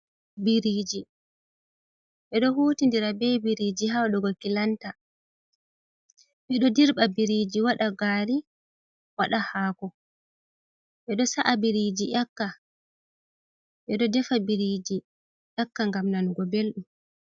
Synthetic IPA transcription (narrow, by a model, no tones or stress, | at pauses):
biɾiːd͡ʒi | ɓɛɗɔhuːtindiɾabɛbiɾid͡ʒiɦawaɗɔɡɔkilanta | ɓɛɗɔdiɾbabiɾid͡ʒiwaɗaɡaːɾi | waɗahaːkɔ | ɓɛɗɔsaʔabiɾid͡ʒiʔakːa | ɓɛɗɔdɛfabiɾid͡ʒi | ʔakːaŋɡamnanɡɔbelɗum